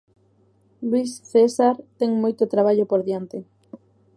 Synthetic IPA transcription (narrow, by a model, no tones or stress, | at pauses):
lwisθesaɾt̪ɛŋmojt̪ot̪ɾaβ̞aʎopoɾðjant̪ɪ